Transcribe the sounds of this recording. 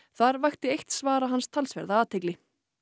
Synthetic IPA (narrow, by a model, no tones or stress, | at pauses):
θaɾvajxt̪ɪejht̪svaːɾaɦanst̪ʰalsvɛ̰ɾðaaːt̪ʰejklɪ